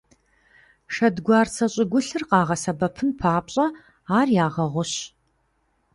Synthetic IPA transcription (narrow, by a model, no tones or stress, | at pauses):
ʃɐdɡʷɑːrt͡sʰɐɕʼɪɡʷʊɬɨrqɑːʁɐsɐbɐpʰɨnpʰaːpɕʼɐ | aːrjaːʁɐʁʷʊɕ